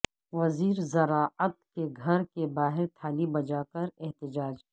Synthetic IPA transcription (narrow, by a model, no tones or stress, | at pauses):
ʋɐziːɾzɐɾaːət̪̚keɡʱɐɾkebaːɦɪɾt̪ʰaːlibɐd͡ʒaːkɐɾɛɦt̪ɪd͡ʒaːd͡ʒ